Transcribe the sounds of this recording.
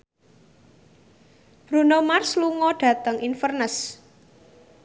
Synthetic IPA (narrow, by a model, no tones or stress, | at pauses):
b̥ɾunomarsluŋɔɖ̥ä̤t̪əŋinfərnəs